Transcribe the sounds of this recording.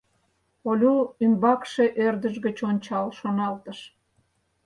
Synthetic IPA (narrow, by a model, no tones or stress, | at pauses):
olʲuymbɑkʃeʔørd̪əʃɣət͡ɕonʲt͡ɕɑlʃonɑlt̪əʃ